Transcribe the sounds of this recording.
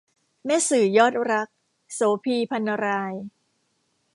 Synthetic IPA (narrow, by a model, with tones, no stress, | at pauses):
mɛ˦˥sɯː˩˦jɔː˦˥˩t̪̚ɾa˦˥k̚ | soː˩˦pʰiː˧pʰa˧nːa˧ɾaː˧j